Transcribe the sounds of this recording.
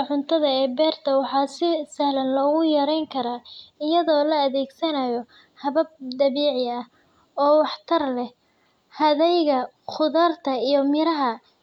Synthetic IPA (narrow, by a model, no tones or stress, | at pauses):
ʕʊnt̪ʰɐðɐɛːbɛːrt̪ʰɐwɑħɑːsɪsɐhlɐnlɔːɣʊjɐɾɛjŋkʰɐɾaːɪjɐðɔːlɐːðɛːɡsɐnɐjɔ | hɐβɐb̚d̪ɐβiːʕɪɐh | ɔːwɑħt̪ʰɐrlɛ | hɐðɛjɣɐ | qʊðɐːrt̪ʰɐijɔmɪɾɐɦɐ